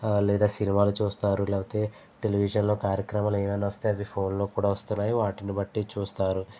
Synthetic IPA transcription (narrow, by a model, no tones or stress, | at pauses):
lɛːd̪aːsinimaːlut͡ʃuːst̪aːɾulɛːpɐt̪e̞ː | ʈeliʋiʂɐnlo̞ːkaːɾjɐkɾɐmaleːmɐnːaʋɐst̪eɐʋipʰo̞ːnlo̞ːkuːɽaːʋɐst̪unːaːjiʋaːʈinibɐʈːit͡ʃuːst̪aːɾu